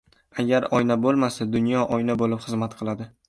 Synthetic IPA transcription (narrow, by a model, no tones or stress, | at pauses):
aɡʲaɾɒjnabolˠmasad̪ʊnjɒʔɒjnabolɪpχɨzmat̪qʰɨlˠad̪ɪ